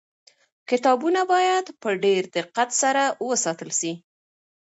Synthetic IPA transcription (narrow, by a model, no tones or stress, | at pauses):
kɪt̪ɑbunabɑjad̪pəɖeɾd̪ɪqːat̪saɾawəsɑt̪əlʃi